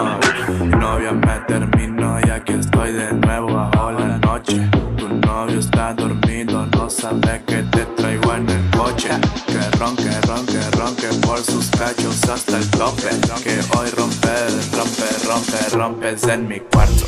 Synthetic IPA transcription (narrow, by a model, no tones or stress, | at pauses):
novjamet̪eɾminojakest̪ɔjd̪enwɛβoaojlanɔt͡ʃet̪unːovjost̪ad̪oɾmid̪onosaβeket̪et̪ɾajɡwanelkot͡ʃekerɔŋkeroŋkeroŋkepwɔlsuskat͡ʃosast̪alt̪ɔpḛkeojromperomperomperompezenmikwaɾt̪o